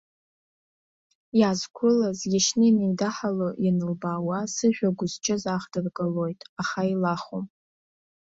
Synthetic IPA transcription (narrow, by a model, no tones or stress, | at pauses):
jaːzkʷʰʊlazɡʲaʃnɨinejdaħalojanɨlbaːwasɨʒᶣʷaɡʷʊzt͡ʃʰʼɪzaχdɨrɡʼalo̞jtʼaχailaχom